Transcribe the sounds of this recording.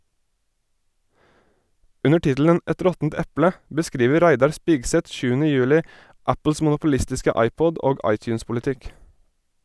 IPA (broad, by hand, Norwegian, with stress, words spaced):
ˈʉnə ˈʈɪtl̩ən ˈʔɛt ˈɾɔtn̩t ˈɛplə bəˈskɾiːʋə ˈɾæɪdɑɾ ˈspiːɡsɛt ˈʃʉːənə ˈjʉːlɪ ˈæpl̩s mʊnʊpʊˈlɪstɪskə ˈɑɪˌpɔd ˈoːɡ ˈɑɪˌtjʉːnspʊlɪˌtɪk